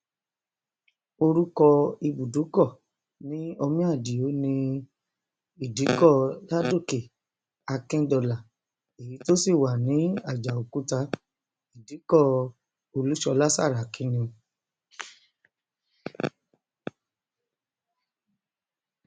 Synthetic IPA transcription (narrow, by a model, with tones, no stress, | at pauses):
o˧ɾu˦kɔ˧i˧bu˨du˨˦kɔ˦˨ | nĩ˨˦o˧mĩ˦a˦˨di˨jo˨˦nĩ˧ | i˨di˨˦kɔ˦˨la˦do˦˨ke˨ | a˧kɛ̃˦dɔ˧˨la˨ | e˨ji˨˦to˦si˦˨wa˨nĩ˨˦a˦˨d͡ʒa˨o˨ku˨˦ta˧ | i˨di˨˦kɔ˦˨ | o˧lu˦ʃɔ˧la˦sa̰˦˨ɾa˨kĩ˨˦nĩ˧